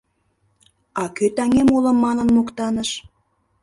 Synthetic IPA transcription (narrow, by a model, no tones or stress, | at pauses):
ɑkøt̪æŋʲemulə̆mːɑnə̆nmukt̪ɑnəʃ